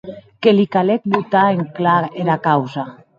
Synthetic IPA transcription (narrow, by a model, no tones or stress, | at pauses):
kelikalek̚but̪aeŋklaeɾakawza